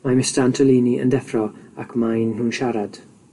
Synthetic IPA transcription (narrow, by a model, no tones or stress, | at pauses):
mamɪstantʰɔliːniʔə̰ndɛfrɔakʰmajnhuːnʃaɾad̥